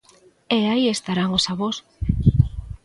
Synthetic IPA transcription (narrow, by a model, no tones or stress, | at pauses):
eaiest̪aɾaŋosaβos